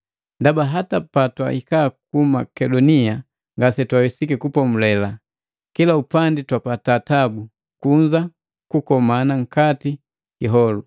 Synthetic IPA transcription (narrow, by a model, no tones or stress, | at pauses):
ndabaɦatapatwa̰ikaːkuma̰kɛdɔnia | ŋɡasɛtwawisikikupɔmulɛla | kilaupanditwapataːtabu | kuɲd͡ʒa | kukɔmanaŋ̩kati | kiɦɔlu